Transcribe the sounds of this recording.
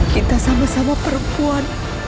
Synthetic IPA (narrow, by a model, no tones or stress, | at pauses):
kit̪asamasamapəɾəmpuan